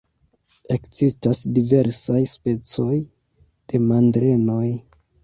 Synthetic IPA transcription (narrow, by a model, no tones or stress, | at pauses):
e̞kz̥istasdive̞ɾsajspe̞t͡so̞j | d̥e̞mandɾe̞no̞j